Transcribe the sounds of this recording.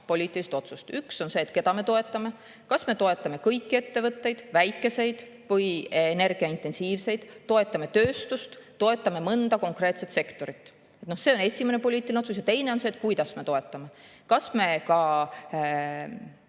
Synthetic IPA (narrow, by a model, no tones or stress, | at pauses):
po̞lʲiːt̪ːˑiliset̪o̞t̪sust̪ykso̞nse̞ːt̪ke̞d̪ɑme̞t̪o̞e̞t̪ːˑɑme̞ | kɑsme̞t̪o̞e̞t̪ːˑɑme̞kɤjkːie̞t̪ːe̞vɤt̪ːe̞jd̪̥væjkːˑe̞se̞jd̪̥ | vɤjne̞rɡ̥iɑint̪ːˑe̞nsiːvse̞jd̪̥t̪o̞e̞t̪ːˑɑme̞t̪ø̞ːst̪ust̪t̪o̞e̞t̪ːˑɑme̞mɤnd̪̥ɑko̞ŋkre̞ːt̪se̞t̪se̞kt̪o̞ɾit̪ːˑ | et̪nohse̞o̞ne̞sʲime̞ne̞po̞lʲiːt̪ːˑilineosus̬jɑt̪e̞jne̞o̞nseːt̪̚kujd̪̥ɑsme̞t̪o̞e̞t̪ːˑɑme̞kɑsme̞kɑ